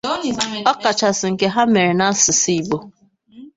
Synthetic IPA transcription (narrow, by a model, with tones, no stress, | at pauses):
ɔ˦ka˨t͡ʃa˨sɪ˨ŋ̩˨ke˦ɦa˦me˨ɾe˨na˦sɪ˨si˦i˨bo˨